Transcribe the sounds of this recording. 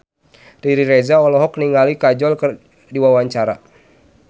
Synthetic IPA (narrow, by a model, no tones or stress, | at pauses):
riɾiɾɛzaɔlɔɦɔkniŋɡalikad͡ʒɔlkər | diwawaɲt͡ʃaɾa